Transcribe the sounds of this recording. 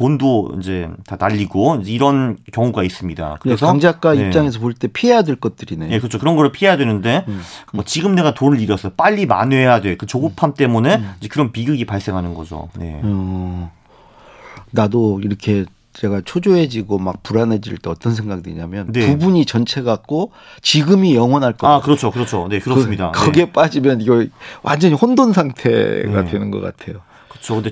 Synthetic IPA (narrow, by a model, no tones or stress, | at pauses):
pondoḭd͡ʑe̞tanaʎːiɡoind͡ʑeiɾʌnkjʌŋuɡais͈ɯmɲida̰kɯɾe̞sʰʌaŋd͡ʑak̚k͈aiet͡ɕ͈aŋe̞s̬ʰʌpoɭt͈e̞pʰiɦejadwe̞ɭk͈ʌt̚t͈ɯɾineje̞kɯt͡ɕʰokɯɾʌnɡʌɯɭpʰiɦejadwe̞nɯnde̞mʌt͡ɕiɡɯmne̞ɡatonɯɾiɾʌsʰʌp͈aʎːima̰nwe̞jadwe̞kɯt͡ɕoɡɯpʰamt͈e̞mune̞id͡ʑekɯɾʌnpiɡɯɡipaɭs͈e̞ŋɦanɯnɡʌ̰d͡ʑo̰ne̞̰ | nadoiɾʌkʰe̞ | t͡ɕe̞ɡat͡ɕʰod͡ʑoɦe̞d͡ʑiɡomak̚puɾane̞d͡ʑḭɭt͈eʌt͈ʌns̬ʰeŋɡak̚dweɲamjʌnne̞pubuɲit͡ɕʌnt͡ɕʰe̞ɡak̚k͈o | t͡ɕiɡɯmijʌŋwʌnɦaɭk͈akɯɾʌt͡ɕʰokɯɾʌt͡ɕʰone̞kɯɾʌs͈ɯmɲida̰kʌɡe̞p͈ad͡ʑimjʌniɡʌwʔa̰nd͡ʑʌɲihondonsʰaŋtʰe̞̰ɡa̰dwe̞nɯnɡʌk͈a̰tʰe̞̰jo | kɯt͡ɕʰokɯnde